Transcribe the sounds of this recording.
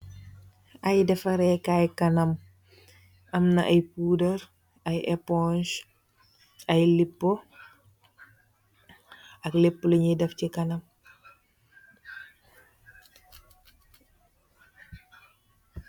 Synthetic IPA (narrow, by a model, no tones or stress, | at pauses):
ʔɐjdɛfɐɾɛkajkɐnɐm | ʔɐmnɐʔɐjpuːdɐɾ | ɐjɛpɔnʃ | ɐjlipːo | ɐklipːluɲidɛfcikɐnɐm